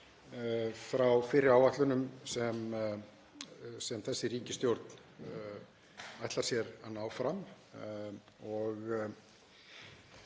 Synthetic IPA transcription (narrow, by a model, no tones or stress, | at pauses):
fɾawfɪɾɪɾawaht̪lʏnʏmsɛm | sɛmθɛsːɪriːcɪst̪jowɾt̪n̥ | ajht̪laɾsjɛɾanawfɾam | ɔɣ